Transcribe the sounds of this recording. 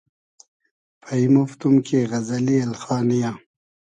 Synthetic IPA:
pɐimoft̪umkʰeɣɐzɐliɐlxɑːnijaː

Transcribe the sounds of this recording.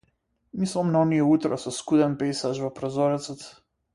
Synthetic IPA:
mislˠɔmnaɔnijɛut̪ɾasɔskud̪ɛnpɛjsaʒvɔpɾɔzɔɾɛt̪sɔt̪

